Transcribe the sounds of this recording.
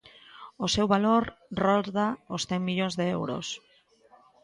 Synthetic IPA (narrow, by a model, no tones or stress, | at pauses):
osewβaloɾroðaosθeŋmiʎoŋzðeḛwɾo̰s